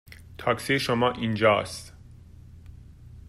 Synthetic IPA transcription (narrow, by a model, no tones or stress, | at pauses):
t̪ʰɒːksejeʃomɒːʔind͡ʒɒ̰ːst̪